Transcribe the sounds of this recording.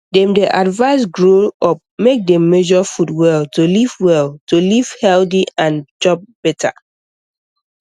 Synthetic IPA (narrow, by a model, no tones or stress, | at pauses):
dɛ̃mdeʔadvaɪs̬ɡɹolɔp̚mek̚dɛ̃mːɛʒɔfutwɛltolivwɛltoliv̥hɛldiãnd͡ʒɔp̚b̥ɛtʰa̰